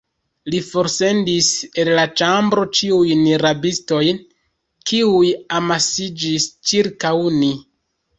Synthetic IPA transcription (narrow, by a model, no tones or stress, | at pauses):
lifo̞ɾse̞ndisellat͡ʃambɾo̞t͡ʃiujniɾabisto̞jn | kiujamasid͡ʒist͡ʃiɾkawni